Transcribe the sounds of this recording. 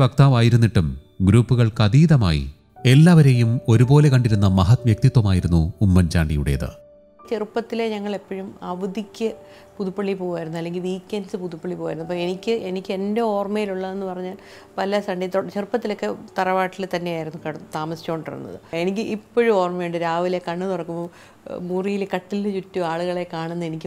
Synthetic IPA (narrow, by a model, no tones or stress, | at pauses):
ʋɐk̚t̪aːʋaːjiɾunːiʈːum | ɡɾuːpːuɣɐɭkɐðiːðɐma̰ːjḭ | e̞lːaːʋɐɾejumo̞ɾubo̞ːle̞kɐɳɖiɾunːɐmɐɦɐt̪mjek̚t̪it̪wɐmaːjiɾunːuːmːɐnt͡ɕa̰ːɳɖijṵɽḛːðɨ̰ | t͡ɕerpːɐt̪ːileɲɐŋːɐɭe̞pːɐɻumɐʋɐd̪ikʲːɨ | puðupːɐɭːipo̞ːɣuʋaːjɾunːuɐlːe̞ŋɡilʋiːkʲːɐnsɨpuðupːɐɭːipoːʋaːjɾunːɐpːoe̞nikʲːɨʔe̞nikʲːe̞nde̞o̞ːrmɐjiluɭːɐe̞nːɨpɐrɐɲːaːl | pɐlːɐsɐɳɖit̪t͡ɕerpːɐt̪ːilo̞kːe̞t̪ɐrɐʋaːʈːilt̪ɐnːe̞jaːjiɾunːukɐɽt̪aːmɐsi̥t͡ɕːoːɳɖrɐ̰rɾ̰nːɐ̰ðɨ̰e̞nik̬ʲːilʔipːoɻumo̞ːrmɐjuɳɖɨɾaːʋile̞kɐɳːɨt̪urɐkːumboː | muːrijilekɐʈːilːt͡ɕutːuaːɭuɣɐɭe̞kaːɳenːe̞nikʲːɨ